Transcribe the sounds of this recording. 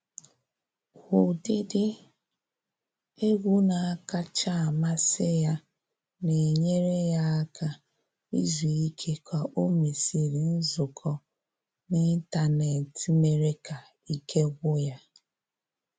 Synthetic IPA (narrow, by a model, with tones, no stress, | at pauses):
hʊ˨dɪ˦dɪ˦ | e˦ɡʷu˦na˨a˦ka˦t͡ʃa˦a˨ma˦sɪ˦ja˦ | ne˨ɲe˦ɾe˦ja˦a˦ka˦ | ḭ˦zi˨i˦kʰe˦kʷa˨ʔo˦mi˨si˨ɾi˨n̩˦zʊ˨kʰɔ˦ | nɪ˦n˦ta˨ne˨ti˦me˦ɾe˦ka˨ | i˦kʰe˦ɡʷʊ˦ja˦